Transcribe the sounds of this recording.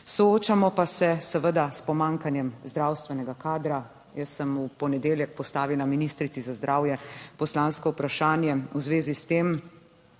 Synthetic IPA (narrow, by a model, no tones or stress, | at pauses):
sɔoːt͡ʃamɔpasɛsəʋəd̪aspɔmãːŋkanjɛmzd̪ɾawst̪ʋɛnɛɡakaːd̪ɾa | jəsːəmupɔnɛd̪eːljɛk̚pɔst̪aːʋiwlaminist̪ɾit̪sizazd̪ɾʔaːwjɛpɔslaːnskɔupɾaʃaːnjɛuzʋeːzist̪em